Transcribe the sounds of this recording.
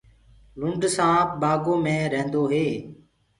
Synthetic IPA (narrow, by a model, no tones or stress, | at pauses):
lʊɳɖsãːbaːɡoːmẽːɾəɦnd̪oːɦeː